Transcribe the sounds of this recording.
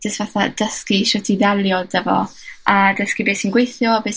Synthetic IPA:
d͡ʒ̥əstvaθad̥əskiʃɛtʰiðɛlˠjɔd̥ɛvɔ̰adəskibeːsinɡwejθjɔbeːs

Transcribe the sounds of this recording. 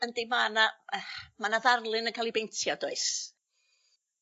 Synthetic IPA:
əndimanaəmanaðarlˠɨnənkʰalˠibejntʰjɔdɔɨs

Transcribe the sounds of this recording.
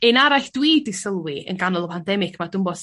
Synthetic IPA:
enaɾaɬd̥wiːdɪsəlˠwiə̰nɡanɔlˠɔpʰandɛmɪkʰmadʊmbɔs

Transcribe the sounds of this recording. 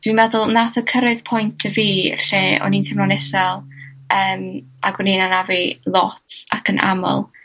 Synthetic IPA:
d̥wimɛðʊlˠnaθəkʰəɾɪðpʰɔjntʰəvḭːɬeːʔɔ̰nintʰɛmnɔnɛsɛlˠəːm | aɡɔninanavilˠɔtʰa̰kʰənʔa̰mɔ̰lˠ

